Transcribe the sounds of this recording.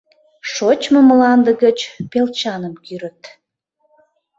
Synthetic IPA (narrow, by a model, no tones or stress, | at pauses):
ʃot͡ɕməmlɑnd̪əɣət͡ɕpelt͡ɕɑnəmkyɾət̪